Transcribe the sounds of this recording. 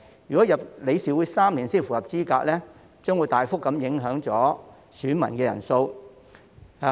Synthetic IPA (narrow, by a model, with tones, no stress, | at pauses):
jy˨˩kɔː˨˥jɐ˨p̚le˨˧jsiː˨wu˨˥jsaː˥mliː˨˩nsiː˥nfu˨˩jɐ˨˩p̚t͡siː˥kaː˧k̚lɛː˥ | t͡ʃœː˥ŋwu˨˧jt̪aː˨jfʊ˥k̚ːɐ˨˥mjɪ˨˥ŋɦœː˨˥ŋt͡sɔː˨˥ | syː˨˥nmɐ̰˨˩nkɛː˧jɐ̰˨˩nso˧w